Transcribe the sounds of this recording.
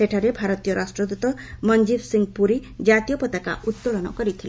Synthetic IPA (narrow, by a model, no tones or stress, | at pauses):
eʈʰaɾebʱaɾɔt̪ijɔɾasʈɾɔd̪ut̪ɔmʌnd͡ʒibsiŋɡpuɾid͡ʒat̪ijɔpɔt̪aka̰ʔut̪ːoɭɔnɔ̰kʌɾit̪ʰile